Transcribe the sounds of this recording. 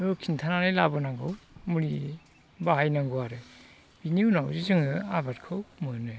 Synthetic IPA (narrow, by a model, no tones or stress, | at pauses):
okʰintʰanaɾɯjlabɯnaŋɡɯwmuɾi | baɦajnaŋɡuaɾɯ | b̥iniunawzizɯŋɯabatkʰɯwmɯnɯ